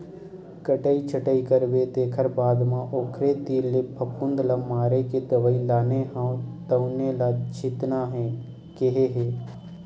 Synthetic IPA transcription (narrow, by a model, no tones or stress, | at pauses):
kəʈəit͡ʃʰəʈəikəɾʋet̪eːkʰəɾbaːd̪mãʔoːkʰɾet̪iːlːepʰəpʰʊ̃nd̪lamaːɾeked̪əʋəilaːneɦãt̪əʊnelad͡ʒɪt̪naɦɛ̃ | keɦeɦeː